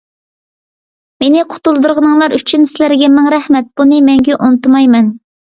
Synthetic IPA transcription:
menɪqʰʊ̥t̪ulˠd̪uɾʁənɨŋlˠɑɾyt͡ʃʰynsɪlæɾɡʲɛmɛŋɾɛhmɛt̪̚b̥unɨmɛŋɡʲɛʔont̪ɨmɑjmɛn

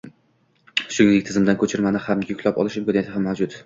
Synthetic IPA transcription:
ʃʊnɪŋd̪ɪk̚ʲt̪ʰɪzɪmd̪ankʰɵt͡ʃʰɪɾmanɪhamjʊkʰʲlapɒ̰lˠɪʃɪmkʲonejat̪ʰɪhamːawd͡ʒʊt̪

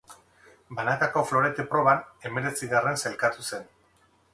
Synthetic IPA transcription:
banakako̞flo̞ɾe̞t̪epɾo̞β̞ane̞me̞ɾe̞t͡siɣare̞nse̞lkat̪use̞n

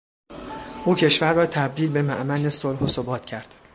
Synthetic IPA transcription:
ʔuːcʰe̞ʃvæɾːɒːt̪ʰæb̚d̪iːlbe̞mæʔmænesolɦosobɒːt̪ʰcʰæɾd̪̥

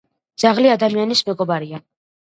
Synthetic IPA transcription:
d̪z̥aʁliad̪amianismɛɡɔbaɾia

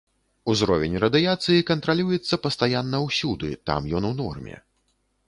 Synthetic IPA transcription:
uzɾɔvʲɛnʲrɐd̪ɨjat̪sɨjikɐnt̪ɾalʲujɛt̪sːɐpɐst̪ajanːɐwsʲud̪ɨ̰t̪a̰mjɔnwnɔ̰rmʲɛ̰

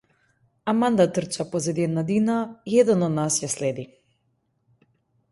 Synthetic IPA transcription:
amand̪at̪r̩t͡ʃapɔzɛd̪iɛd̪nad̪inaiɛd̪ɛnɔd̪nasjaslɛd̪i

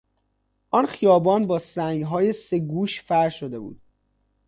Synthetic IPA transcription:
ʔɒːnxijɒːbɒːnbɒːsæŋɡɦɒːje̞se̞ɡuːʃfæɾʃod̪e̞bṵːd̪̥̚

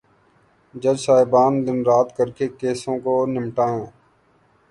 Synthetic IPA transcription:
d͡ʒəd͡ʒsaːɪbaːnd̪ɪnɾaːt̪kəɾkeːkeːsõːkoːnɪmʈaːẽː

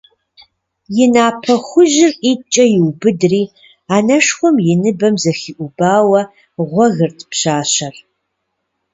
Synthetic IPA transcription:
jɪnaːpʰɐxʷʊʑɪriːt͡ʃʼɐjɪwbɨdriː | aːnɐʂxʷɔmjɪnɨbɐmzɐxiːʔʷʊbaːwɐ | ʁʷɔɣɨrtʰpɕaːɕɐr

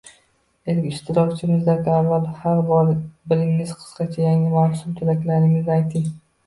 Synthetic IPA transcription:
elkʲɪʃt̪ʰɪɾɒkt͡ʃʰɪmɪzd̪akʲavːalhaɾbɒɾbɪlɪŋːɪz̥qʰɨ̥sqɑt͡ʃʰajaŋɪmaːsʊmt̪ʰʊlakʲlanɪŋʲɪzajt̪ʰɪŋ

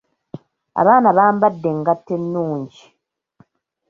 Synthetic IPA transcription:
a̰βaːnaβaːmbadːe̞ŋɡatːenːuːɲɟi

